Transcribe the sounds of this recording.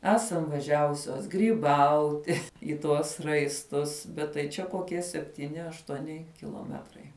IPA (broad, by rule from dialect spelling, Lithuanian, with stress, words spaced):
ˈæːsɐm ʋɐˈʒʲæːʋʊsʲoːs ɡrʲiːˈbɐʊtʲɪ ɪ ˈtuɔs rɐɪsˈtʊs bʲɛt tɐɪ ˈt͡ʃʲɛ koːˈkʲiɛ sʲɛpʲtʲiːˈnʲɪ ɐʃtuɔˈnʲɪ kʲɪlˠoːˈmʲæːtrɐɪ